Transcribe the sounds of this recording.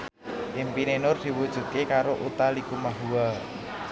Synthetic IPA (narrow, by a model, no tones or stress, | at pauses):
ʔimpinenʊrd̪̥i̤wud̥ʒ̥ṳt̪̚kekaɾoʔut̪alikumaɦuwa